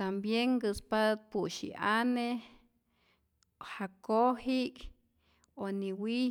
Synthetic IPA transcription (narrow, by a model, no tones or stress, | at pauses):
t̪ambjeŋɡɨspat̪̚puʃḭʔane | hakohik | oniwi